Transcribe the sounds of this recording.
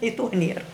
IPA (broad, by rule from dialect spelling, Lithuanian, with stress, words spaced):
ɪ ˈtoː ˈnʲiɛr